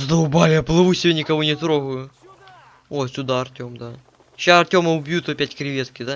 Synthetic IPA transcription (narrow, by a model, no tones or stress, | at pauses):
zd̪ɐʊbalʲjaplˠɨʋusʲɪbʲenʲɪkɐvonʲɪt̪ɾoɣʊjʊ | osʲʊd̪aɐrtʲo̞md̪a | ɕaɐrtʲo̞mɐʊbʲjut̪opʲætʲkɾʲɪʋʲet̪kʲɪd̪a